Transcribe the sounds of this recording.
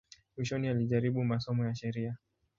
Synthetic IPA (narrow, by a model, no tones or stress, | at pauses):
mwiʃɔnialiʄaɾiɓumasɔmɔjaʃɛɾia